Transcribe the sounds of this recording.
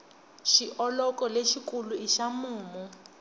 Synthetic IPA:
ʃiʔɔlɔkʼɔleʃikʼuluiʃamuːmu

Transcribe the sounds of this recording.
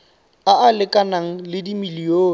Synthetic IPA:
aalɪkʼanaŋ̩lɪdimilioː

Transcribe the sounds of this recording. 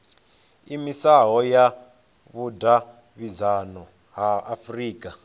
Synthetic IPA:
imisaɦɔja | βudʱa | βizanɔ | ɦaafriːkʼa

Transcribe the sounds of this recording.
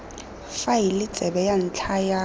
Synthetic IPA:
failɪ̥t͡sʼɛbɛjan̩t͡ɬʰaja

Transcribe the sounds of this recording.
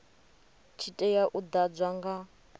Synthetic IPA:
t͡ʃʰitʼɛjaʔud̪ad͡zʷwaŋɡa

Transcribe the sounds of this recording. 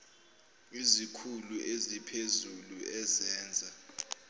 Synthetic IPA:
izikʰuluʔezipʰezuluɛzɛːnd͡zʱa

